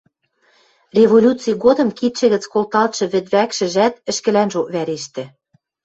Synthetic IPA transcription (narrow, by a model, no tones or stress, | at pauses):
rʲeβolʲut͡sijɣod̪ɤ̆mkit̪ʃɘ̆ɣɘ̆t͡skolt̪ɑlt̪ʃɤ̆βɘ̆t̪βækʃɘ̆ʒæt̪ɘ̆ʃkɘ̆lænʒoʔβæɾeʃt̪ɘ̆